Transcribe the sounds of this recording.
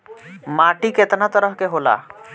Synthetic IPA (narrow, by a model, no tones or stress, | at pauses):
maʈiket̪nat̪əɾəɦkeɦola̰